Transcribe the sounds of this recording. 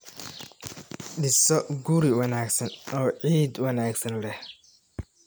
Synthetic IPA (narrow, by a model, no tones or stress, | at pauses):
ɖɪsɔɡuɾɪwɐnaːɡsɐnɔːʕiːd̪wɐnaːɡsɐnlɛh